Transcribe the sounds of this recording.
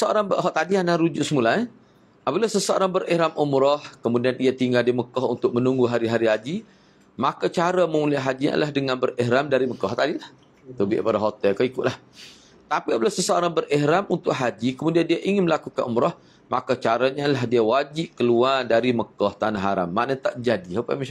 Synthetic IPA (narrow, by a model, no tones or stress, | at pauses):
əsəoɾaŋbəɦɔʔt̪adianaɾud͡ʒuʔsəmula | apəlasəsəoɾaŋbəɾɛhɾamumɾɔhkəmudianiat̪iŋɡaldiməkɔɦṵnt̪ʊk̚mənuŋɡuɦaɾiɦaɾiɦad͡ʒi | makat͡ʃaɾəmə̃muliaɦad͡ʒiɲa̰lahdəŋanbəɾɛɦɾamdaɾiməkɔɦt̪adilah | t̪ubɪ̰ʔpadaɦot̪ɛlkaikʊt̪ʔlah | t̪apiapəlasəsəoɾaŋbərɛhɾamunt̪ʊʔɦad͡ʒikəmudiandiaʔiŋɪnməlakukanʔumɾɔh | makat͡ʃaɾaɲalaɦdiawad͡ʒiʔkəluardaɾiməkɔht̪anaɦaɾa̰mːaʔnat̪aʔd͡ʒadihapa̰ma